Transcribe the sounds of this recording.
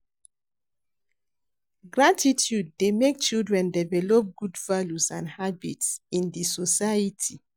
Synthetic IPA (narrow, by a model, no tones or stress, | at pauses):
ɡɹatʰitʰjud̚ːemek̚t͡ʃildɹɛ̃ndɛvɛlɔp̚ɡudvaljusãnhabitsĩndisɔsajitʰi